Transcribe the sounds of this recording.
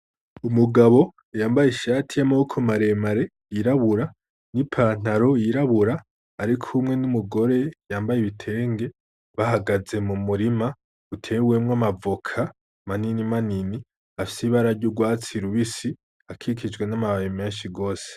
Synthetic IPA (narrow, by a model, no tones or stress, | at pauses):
umuɡaβo̞ | jaːmbajeʃaːtʰijamaukʰomaɾe̞maɾe̞ | jiɾaβuɾa | nipʰan̥aɾojiɾaβuɾaː | ɾikʰumŋe̞numuɡo̞ɾe̞jaːmbajeβitʰe̞ːŋɡe̞ | βahaɡaze̞mumuɾima | utʰe̞wemŋamavokʰa | maninimanini | afi̥siβaɾaɾɟoɡwaːt͡siɾuβisi | akʰikʰid͡ʒɡwe̞namaβajimeːnʃiɡo̞ːse̥